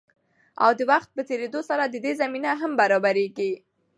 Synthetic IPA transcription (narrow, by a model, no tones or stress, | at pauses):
a̰wd̪əwaxt̪̚pət̪eɾed̪osaɾad̪əd̪ezaminaɦambaɾɑbaɾeɡi